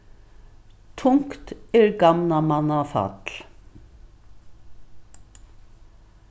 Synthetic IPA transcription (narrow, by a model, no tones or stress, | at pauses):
t̪ʰʊŋkt̪eɾɡɑmnɑmɑnɑfɑ̰t̪l